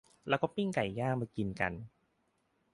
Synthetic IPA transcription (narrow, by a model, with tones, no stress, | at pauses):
lɛː˦˥wkɔː˥˩pi˥˩ŋka˨˩jːaː˥˩k̚maː˧ki˧nka̰˧n